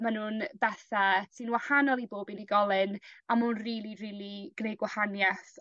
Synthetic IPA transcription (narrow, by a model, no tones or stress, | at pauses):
manuːnbɛθasʰɨnwahanɔlˠiboːbiniɡɔlˠɪnamuːnriːlˠiriːlˠiɡ̥nejɡwahanjɛθ